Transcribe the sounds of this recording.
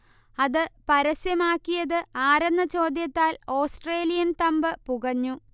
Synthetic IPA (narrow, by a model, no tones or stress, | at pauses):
ɐðɨpɐɾɐsjɐmaːkːijɐðɨaːɾɐnːɐt͡ɕo̞ːd̪jɐt̪ːaːlo̞ːsʈre̞ːlijɐnt̪ɐmbɨpuɣɐɲːu